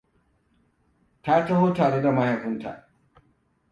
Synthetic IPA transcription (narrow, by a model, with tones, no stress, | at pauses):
ta˦tɐ˦hoː˦taː˨ɽe˦da˨mɐ˦ha˨kʊ˦nta̰˨ʔ